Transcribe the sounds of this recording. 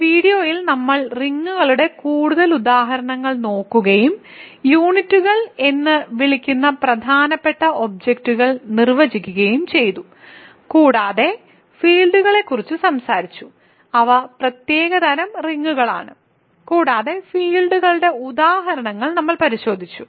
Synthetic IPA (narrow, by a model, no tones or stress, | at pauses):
ʋiːɽijo̞ːjilnɐmːɐɭriŋːuɣɐɭuɽe̞kuːɽuðɐlud̪aːɦɐɾɐɳɐŋːɐɭno̞ːkːuɣɐjum | juːɳitːuɣɐɭe̞nːɨʋiɭikʲːunːɐprɐd̪ʱaːnɐpːe̞ʈːɐo̞b̚d͡ʑek̚tuɣɐɭnirʋɐd͡ʑikʲːuɣɐjumt͡ɕe̞jt̪u | kuːɽaːðe̞ | fiːɭɖuɣɐɭe̞kːurit͡ɕːusɐmsaːɾit͡ɕːu̥ | ɐʋɐprɐt̪je̞ːɣɐd̪ɐɾɐmriŋːuɣɐɭa̰ːɳɨ | kuːɽaːðe̞fiːɭɖuɣɐɭuɽe̞ud̪aːɦɐɾɐɳɐŋːɐɭnɐmːɐɭpɐɾiɕo̞ːd̪ʱit͡ɕːu